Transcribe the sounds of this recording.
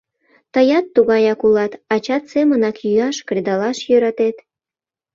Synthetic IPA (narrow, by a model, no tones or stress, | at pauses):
t̪əjɑt̪ːuɣɑjɑkulɑt̪ɑt͡ɕɑt̪semənɑkjyɑʃkred̪ɑlɑʃjøɾɑt̪et̪